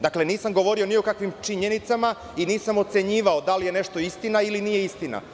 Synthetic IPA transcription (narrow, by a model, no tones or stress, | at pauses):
d̪akle̞niːsamɡo̞ʋo̞ɾio̞nio̞kakʋimt͡ʃiɲe̞nit̪sama | iniːsamo̞t̪se̞ɲiːʋaod̪alije̞ne̞ʃt̪o̞ist̪inailinije̞ist̪ina̰